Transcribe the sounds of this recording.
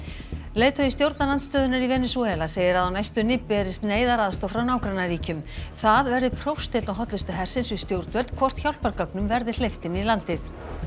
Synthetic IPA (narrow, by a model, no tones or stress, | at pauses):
leːjt̪ʰœjɪst̪jowɾt̪nalanst̪œːðʏnaɾivɛnːɪsuɛlaseːjɪɾaðawnajst̪ʏnɪpːɛɾɪst̪neːjðaɾaðst̪ɔfɾawnaːwkɾanariːcʏmθaðvɛɾðɪpʰɾowst̪ɪlnawɦɔt̪lɪst̪ʏɦɛr̥sɪnsvɪðst̪jowɾt̪vɛlt̪̚kʰvɔr̥t̪çawl̥paɾkaknʏmvɛɾðɪ̥l̥ejft̪ɪnilant̪ɪθ